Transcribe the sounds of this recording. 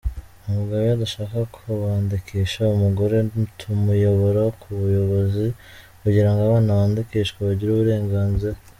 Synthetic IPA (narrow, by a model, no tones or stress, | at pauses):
umuɡaβoadaʃaːkakʰoβaːndikiːʃaumuɡo̞ɾe̞tʰumujo̞βo̞ɾokʰuβujo̞βo̞zi | kuɟiɾaŋɡoaβaːnaβaːndikiːʃkwaβaɟiɾuːβuɾe̞ːŋɡaːnziɾa